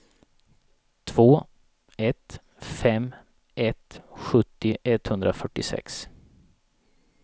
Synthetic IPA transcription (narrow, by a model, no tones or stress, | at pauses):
t̪ʰvoː | ɛt̪ | fɛmː | ʔɛt̪ɧɵt̪ːɪʔɛt̪hɵnd̪ɾafœʈːɪsɛ̰ks